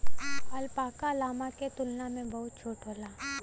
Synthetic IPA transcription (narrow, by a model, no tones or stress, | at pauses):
ɐlpaːkalaːmaket̪ʊlnamẽbɐɦʊt̪̚t͡ʃʰoːʈɦoːlaː